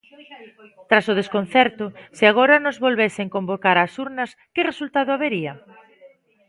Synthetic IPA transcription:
t̪ɾasʊð̞eskon̟θɛɾt̪ʊsɪaɣ̞oɾɐnozβolβeseŋkombokaɾasuɾnɐskɪresult̪aðʊaβeɾiɐ

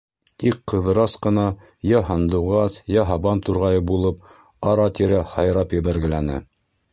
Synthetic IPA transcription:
t̪ikqːɤ̆ðɤ̆ɾɑsqɤ̆nɑ | jɑɦɑnd̪uʁɑsjɑɦɑβɑnt̪uɾʁɑjɤbulˠɤp̚ | ɑɾɑt̪iɾæhɑjɾɑpjɘ̆βæɾɡɘ̆lænɘ̰

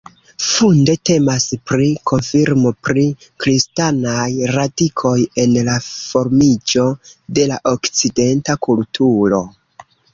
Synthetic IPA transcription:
funde̞te̞maspɾikʰo̞nfiɾmo̞pɾi | kɾistanajɾadikʰo̞je̞nlafo̞ɾmid͡ʒo̞de̞laʔo̞kt͡side̞ntakultʰuɾo̞

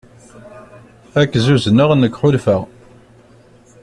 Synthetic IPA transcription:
ækːzuznəʁnəkːħʊlfəʁ

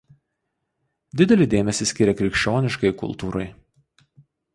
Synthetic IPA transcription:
d̪ʲɪd̪ʲɛlʲɪd̪ʲeːmʲɛsʲɪsʲkʲɪɾʲɛkɾʲɪkʃʲt͡ʃʲoːnʲɪʃkɐɪkʊ̰lˠˑt̪uːɾɐɪ

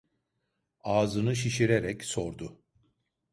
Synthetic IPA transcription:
aːzɯnɯʃ̬iʃiɾeɾɛcso̞ɾd̪ʊ

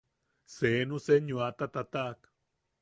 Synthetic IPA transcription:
senuseɲuat̪at̪at̪ak

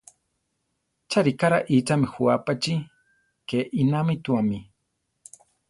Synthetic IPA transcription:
t͡ʃaɾikaɾaʔit͡ʃamixuapat͡ʃi | keʔinamit̪uami

